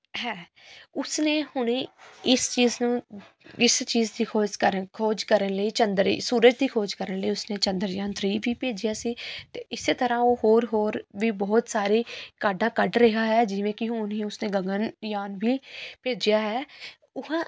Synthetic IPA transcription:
ɦɛː | ʊsneːhʊnːɪst͡ʃiːznũː | ɪst͡ʃiːzd̪iːkʰoːd͡ʒkəɾəkʰoːd͡ʒkəɾənləiːt͡ʃənd̪ɾḭːsuːɾəd͡ʒd̪iːkʰoːd͡ʒkəɾənləiːʊsneːt͡ʃə̃nd̪əɾjãːnt̪ɾiːʋiːpeːd͡ʒɪjaːsiːt̪eːɪseːt̪əɾãːoːɦoːɾɦoːɾʋiːbɔːt̪saːɾeːkaːɖãːkəɖɾəɦaːɦɛːd͡ʒɪʋẽːkɪɦʊ̃ʊnĩːʊsnẽːɡəɡənjaːnbiːpeːd͡ʒɪjaːɦɛː | ʊɦãː

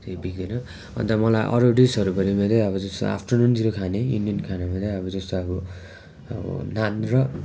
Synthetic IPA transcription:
t̪ebik̚d̪ʌnʌ | ʌ̰nt̪ʌmʌlajʔʌ̰ɾuɖisʌɾubʌɾimʌd̪ʌʌbʌd͡zʌst̪o̰a̰pʰʈʌnund͡ziɾokʰanejṵnijʌnkʰanamʌd̪ʌʌbʌd͡zʌst̪oʌbʌ | ʌbʌ̰nanrʌ

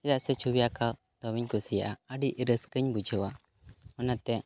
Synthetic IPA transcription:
ɛjaʔsɛt͡ʃʰubijaka | t̪ɔbiɲkusijaʔaəɖiʔɾəskəɲbud͡ʒʱəwa | ɔnat̪ɛ

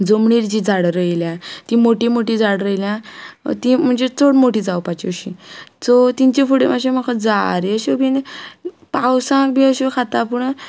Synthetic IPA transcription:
d͡zomɳiɾt͡ɕid͡zʱaɽɾəjljãt̪ĩmoʈimoʈiːd͡zʱaɽɾəjljã̰t̪im̤əɳd͡zet͡soɽmoʈiːd͡zawpat͡ɕiɕit͡sot̪iɲt͡ɕifuɽemaɕem̤akʰad͡zaɾeəɕebʱin | pawsãk̚bʱiəɕekʰat̪apuɳə

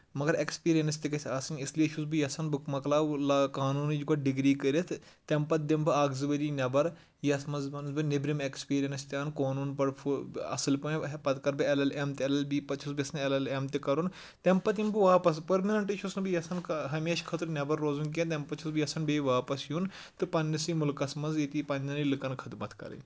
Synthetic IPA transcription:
mɐɡɐɾekspiːɾijɐnst̪ikɐsʰʲaːsɐnɪsliɐʃʰusbijɐsɐnbɨkmɐklaːlakaːnuːnid͡ʒiɡɐʈɖɪɡɾiːkɐɾʲɐt̪ʰt̪ɛmpɐt̪̚d̪ɪmbɨaːɡzɨbɐɾinʲɐbɐɾ | jɐsmɐzbɐnzbɨnɪbɾimekspiːɾijɐnst̪ʲaːnkoːnuːnpɐɽfʰɐ̰sɨlpɐpɐt̪kɐɾbɨelɐlemt̪ɐlɐlbipɐt͡ʃʰɐsbʲɐsɐnelɐlemt̪ikɐɾun | t̪ʲempɐt̪̬imbɨʋaːpɐs̬pɐɾminɐɳʈiʃʰusnbijɐsɐnkɦɐmeːʃkʰɐt̪ɾnʲɐbɐɾːoːzunk̬ʲẽnt̪ɐmpɐt͡ʃʰusbijɐsɐnbeʋaːpɐsjuːn | t̪ɨpɐnʲːɐsimʊlkɐsmɐnzit̪ipɐnʲd̪ɐnilɨkɐnkʰɐt̪mɐt̪ʰkɐ̰ɾɐ̰n

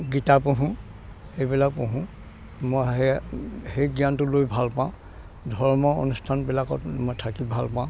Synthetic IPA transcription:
ɡitapoɦũ | hejbilak̚põɦũ | moj | hejɡijantʊlojbʱalpãʊ̃ | dʱɔɹmɔo̰nustʰanbilakɔtmojtʰakibʱalpãʊ̃

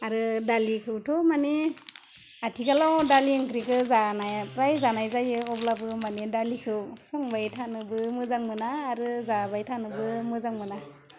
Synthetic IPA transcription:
aɾɯdalikʰɯwtʰumane | atʰikalawdaliɯŋkɾikʰɯzanajpɾajzanajzajɯɔblabɯmanedalikʰɯwsɔŋbajtʰanɯbɯmɯzaŋmɯnaːɾɯzabajtʰanɯbɯmɯzaŋmɯna

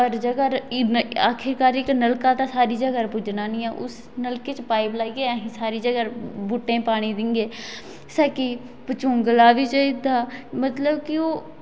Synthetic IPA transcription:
əɾd͡ʒəɡaːɾaːkʰɪɾkaːɾɪknəlkaːt̪ãːsaːɾiːd͡ʒəɡaːɾpʊd͡ʒnaːnĩːɛːʔʊ̰s | nəlkeːt͡ʃpaːɪblaːiɡeːəːɦĩːsaːɾiːd͡ʒəɡaːɾbuːʈːẽːpaːɽ̃iːd̪ɪŋɡeː | səki | pət͡ʃʊŋɡlaːʋiːt͡ʃəid̪aːmət̪ləbkɪoː

